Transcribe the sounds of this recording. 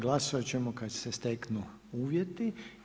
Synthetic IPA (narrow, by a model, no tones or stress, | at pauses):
ɡlasoat͡ɕemokad̪sest̪eknu | uːʋjet̪i